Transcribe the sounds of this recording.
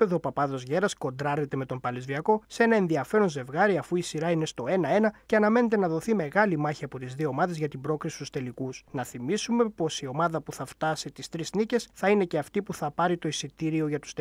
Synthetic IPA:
eðopɐpɐðo̞zʝe̞ɾɐsko̞nd̪ɾɐɾnet̪e̞me̞t̪o̞mpɐlezviɐko̞see̞nɐe̞nðiɐfe̞ɾo̞nze̞vɣɐɾiɐfuisiɾɐine̞st̪o̞e̞nɐe̞nɐce̞ɐnɐme̞net̪̬e̞nɐðo̞θime̞ɣɐlimɐçiɐpo̞t̪izðio̞ːmɐðe̞zʝɐt̪imbɾo̞kɾisi̥st̪u̥st̪e̞likusnɐθimisume̞po̞sio̞mɐðɐpuθɐft̪ɐsit̪ist̪ɾiznice̞sθɐine̞ce̞ɐft̪ipuθɐpɐɾit̪o̞isit̪iɾio̞ʝɐt̪u̥st̪

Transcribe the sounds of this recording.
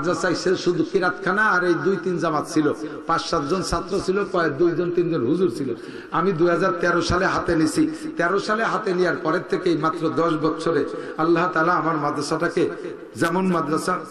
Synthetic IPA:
d̪ɾasajseʃud̪ʱukiɾat̪kʰanaːɾejd̪ujt̪ind͡ʑamat̪t͡ɕʰilopãsːat̪̚d͡ʑonsat̪ːɾot͡ɕʰilokɔek̚d̪ujd͡ʑont̪ind͡ʑonɦuzuɾt͡ɕʰilo | amid̪ujɦad͡ʑaɾt̪ɛɾoʃaleɦat̪enisʰit̪ɛɾoʃaleɦat̪enijaɾpɔɾet̪ʰekejmat̪ːɾod̪ɔʃ̬bɔt̪ːʃʰoɾealːaɦt̪alaamaɾmad̪ɾasaʈake | zɛmonmad̪ɾasa

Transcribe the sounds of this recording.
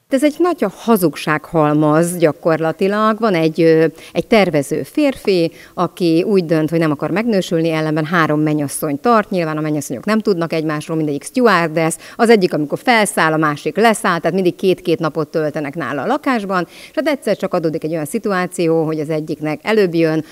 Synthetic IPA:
t̪ɛzɛɟnɒɟɒhɒzukʃaːkhɒlmɒzɟɒko̞rlɒt̪ilɒɡvɒnɛɟːøɛc̚t̪ɛrvɛzø̰ːfeːrfi | ɒkiuːɟd̪ønt̪ho̞ɟnɛmɒkɒrmɛɡnøːʃylniɛlːɛmbɛnɦaːɾo̞mːɛɲɒsːo̞ɲt̪ɒrt̪ɲilvaːnɒmɛɲɒsːo̞ɲo̞knɛmt̪ud̪nɒkɛɟmaːʃroːlmind̪ɛɟːikst̪uard̪ɛsɒzɛɟːikɒmiko̞rfɛlsaːlɒmaːʃiklɛsaːlt̪aːt̪mind̪ikkːeːt̪keːt̪nɒpo̞t̪ːølt̪ɛnɛkna̰ːlɒːlɒkaːʒbɒnʃhaːt̪ɛc̚sɛrt͡ʃɒkɒd̪oːd̪ikɛɟːo̞jɒnsit̪uaːt̪sijoːɦo̞ɟɒzɛɟːiknɛkɛløːbjøn

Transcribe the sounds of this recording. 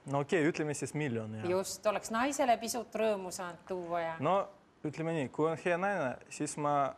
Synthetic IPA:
okʲːejyt̪lemesʲismilʲːonjust̪o̞le̞ksnɑjse̞le̞pisut̪ːˑrɤːmusɑːnd̪t̪uːwːɑjɑno | yt̪lʲemenʲikujonheɑnɑjnæsʲismɑ

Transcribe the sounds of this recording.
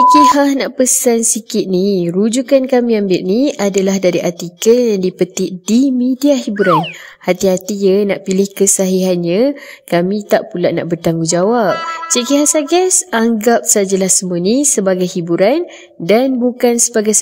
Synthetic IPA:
t͡ʃikihahnaʔpəsansikɪt̪̚niɾud͡ʒukankamĩambɪlniadalahdaɾiʔat̪ikəljaŋdipət̪ɪʔdimidiaɦibuɾanhat̪iɦat̪ijənaʔpilɪhkəsaɦiɦanɲãkamĩt̪aʔpulaʔna̰ʔbərt̪aŋɡud͡ʒawap̚t͡ʃiʔkiɦasaɡasaŋɡap̚sad͡ʒəlahsəmuənisəbaɡajhibuɾan | danbukansəbaɡajs

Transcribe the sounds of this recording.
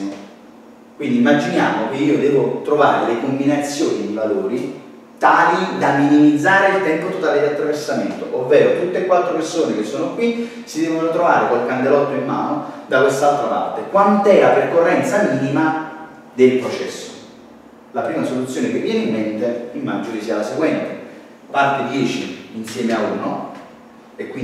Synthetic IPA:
kwind̪iimːad͡ʒinjaːmok̟eiːod̪ɛːvot̪ɾovaːɾed̪elekombinat̪sːjoːnid̪ivaloːɾi | t̪aːlid̪aminimid̪zːaːɾeilt̪ɛmpot̪ot̪aːled̪iat̪ːɾaversament̪oʔovːɛːɾot̪ut̪ːeːkwalt̪ːɾopersoːnekesːoːnokwi | sid̪ɛːvonot̪ɾova̰ːɾekalkand̪elɔt̪ːoimːaːnod̪akwest̪alt̪ɾapa̰rt̪ekwant̪ɛlapɾrkorːɛnt̪samiːnima | d̪elpɾot͡ʃɛ̰sːo̥ | lapɾiːmasolut̪sːjoːnekevːjɛːneimment̪eilmad͡ʒolisialaseɡwɛnt̪e | part̪ed̪jɛːt͡ʃḭːnsjɛːmeauːno̰ | ekːwi

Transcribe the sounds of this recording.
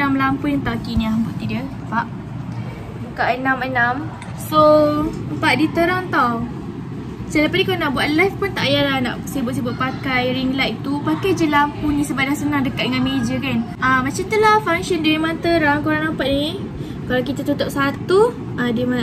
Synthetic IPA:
damlampunint̪ɔakinĩahbuʔt̪idiəəmpaʔ | əkaʔənãmənam | so | əmpaʔdit̪əɾaŋt̪ɔ | səlapanikalnaʔbuaʔ̪lajfpunt̪aʔajalahna̰ʔsibʊʔ̪sibʊʔ̚pakajɾiŋlajt̪upakajd͡ʒəlampunĩsəbadaŋsənaŋdəkat̚dəŋanmed͡ʒəkanʔamːat͡ʃamt̪əlafaŋʃɔndaɾimant̪əɾaŋkuɾaŋnampaʔ̪ni | kalakit̪at̪ut̪ɔp̚sat̪u | adiəma

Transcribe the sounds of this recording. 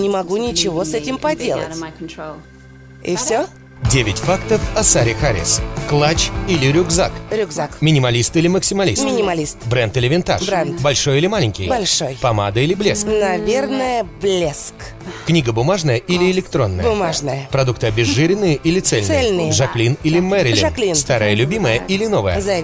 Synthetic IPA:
nʲɪmɐɡunʲɪt͡ɕɪvo̞sɛtʲɪmpɐdʲelˠə̰tʲ | ɪ̰fsʲo | dʲevʲɪtʲfakt̪əfɐsaɾʲɪxaɾʲɪ̰sklˠat͡ɕilʲɪɾʲʊɡza̰kɾʲʊɡzakmʲɪnʲɪmɐlʲist̪ɨlʲɪməksʲɪmɐlʲḭsmʲɪnʲɪmɐlʲist̪bɾɛnt̪ɨlʲɪvʲɪnt̪a̰bɾɛnt̪bɐlʲʂo̞jɪlʲɪmalʲɪɲʲkʲɪjbɐlʲʂo̞jpɐma̰d̪əilʲɪblʲesknɐvʲernəjəblʲesk | knʲiɡəbʊmaʐnəjəʔilʲɪɪlʲɪkt̪ɾo̞nːəjəʊmaʐnəjəpɾɐd̪uk̚t̪ɨɐbʲɪʐːɨɾʲɪnːɨjəʔilʲɪt̪sɛlʲnsɛlʲnɨjəʐɐklʲinilʲɪmɛɾʲɪlɪ̰ʐɐklʲinst̪aɾəjəlʲʊbʲiməjəilʲɪno̞vəjə̰za

